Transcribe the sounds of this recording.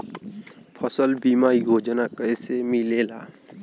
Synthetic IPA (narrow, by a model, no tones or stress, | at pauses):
pʰəsəlbimaːiɡʱoːd͡ʒənakəsemɪleːlaː